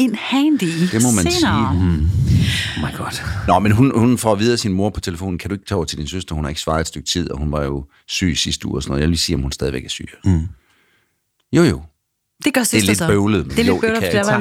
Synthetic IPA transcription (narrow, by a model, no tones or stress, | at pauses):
enhænd̥id̥e̝mɔ̽mænssiː | omaɪɡ̥ɒd̥nɒmenɦunhunfɒ̰ːʋið̞ˠɐsinmo̝ɐpʰɒ̽t͡sʰe̝ləfo̝̰ːn̩kʰæd̥ɾue̝ɡ̥t͡sʰɛːʊ̰t͡sʰe̝ld̥insøsd̥ɐhunhɑ̈e̝ɡ̥sfʋɑ̈ːedsd̥øɡ̥̚t͡sʰið̞̰ˠɒ̽hunʋɑ̈jo̝ | sy̰ːisisd̥əṵɐsɔnɔ̽ð̩ˠjæʋeliːsiːɒ̽mhunsd̥ɛðˠiʋeɡ̥æɐsy̰ː | jo̝̰jo̝ | d̥eɡ̥ɶseled̥bøʊləð̩ˠljo̰̥ø